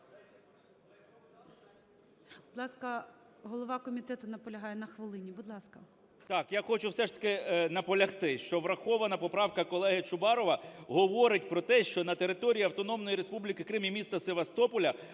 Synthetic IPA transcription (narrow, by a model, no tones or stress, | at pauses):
bʊd̪lˠɑskɐ | ɦɔlˠɔʋɑkɔmʲit̪ɛt̪ʊnɐpɔlʲɐɦɑjɛnɐxʋɪlˠɪnʲibʊd̪lˠɑskɐ | t̪ɑkjaxɔt͡ʃʊwsɛʂt̪ɐ̥kɪnɐpɔlʲɐxt̪ɪʃt͡ʃɔʋɾɐxɔʋɐnɐpɔpɾɑwkɐkɔlˠɛɦɪt͡ʃʊbɑɾɔʋɐɦɔʋɔɾɪtʲpɾɔt̪ɛʃt͡ʃɔnɐt̪eɾɪt̪ɔɾʲiiɐwt̪ɔnɔmnɔjiɾespublʲikɪkɾɪmʲimʲist̪ɐseʋɐst̪ɔpɔlʲɐ